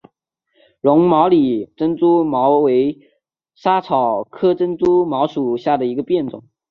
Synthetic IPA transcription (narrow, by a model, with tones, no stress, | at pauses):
ɻʊ˧˥ŋmɑ˧˥ʊli˨˩ʈ͡ʂə˥nt͡su˥mɑ˧˥ʊwe˧˥ɪ | ʂa˥t͡sʰɑ˨˩ʊkʰɤ˥ʈ͡ʂə˥nt͡su˥mɑ˧˥ʊʂu˨˩ɕja˥˩d̪ə˩i˧˥ɡə˧pjɛ˥˩nt͡sʊ̰˨˩˦ŋ